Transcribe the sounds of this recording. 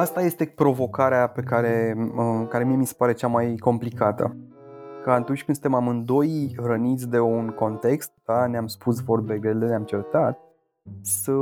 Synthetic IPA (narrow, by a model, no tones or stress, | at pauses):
ast̪aje̞st̪e̞pɾo̞vo̞kaɾeape̞kaɾe̞kaɾemiemisepaɾe̞t͡ʃamajko̞mplikat̪ə̰ | kant̪unt͡ʃʲkɨnsɨnt̪emamɨnd̪o̞jrənit̪sʲd̪e̞unko̞nt̪e̞kst̪̚d̪̥aneamspʰusvo̞rbe̞ɡɾeld̪eneamt͡ʃe̞rt̪at̪̚ | sə